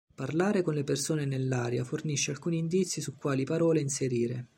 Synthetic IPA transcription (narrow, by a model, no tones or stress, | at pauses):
parlaːɾekonlepersoːnenelːaːɾjaforniʃːealkuːniːnd̪it̪sːisukːwaːlipaɾɔːleinseɾiːɾe